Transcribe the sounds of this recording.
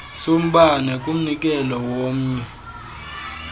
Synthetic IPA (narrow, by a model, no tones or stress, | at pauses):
som̩ɓanɛkʼum̩nik̬ʼɛlɔwom̩ːɲɛ